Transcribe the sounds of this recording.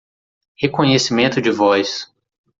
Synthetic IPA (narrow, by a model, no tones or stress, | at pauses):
hekõɲesimẽnt̪ʊd͡ʒɪvɔjs